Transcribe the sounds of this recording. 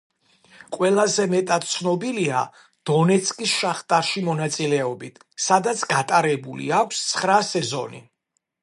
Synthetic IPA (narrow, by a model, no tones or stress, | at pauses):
qʼwɛlˠazɛmɛt̪ʼad̪̥̚t̪sʰnɔbilia̰ | d̪̥ɔnɛt̪sʰkʼisʃaχt̪ʼaɾʃimɔnat̪sʼilɛɔbit̪ʰ | sad̪at̪sʰɡat̪ʼaɾɛbulḭakʷʰst̪sʰχɾasɛzɔ̰nḭ